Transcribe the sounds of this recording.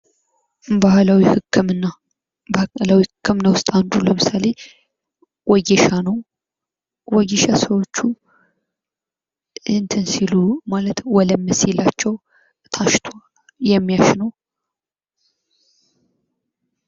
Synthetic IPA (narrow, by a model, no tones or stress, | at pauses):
bahlawihɨkːɨmnːa | lawihɨkʰːɨmnawʊst̪ʼand̪uləmɨsale̞ | wɔɡɛʃanəw | wɔɡeʃasəwo̞t͡ʃːu | ɨnt̪ʰɨnsilumalət̪wɔləmːɨselːat͡ʃːɛw | t̪ʰaʃt̪ʰal | jɛmːijaʃnəw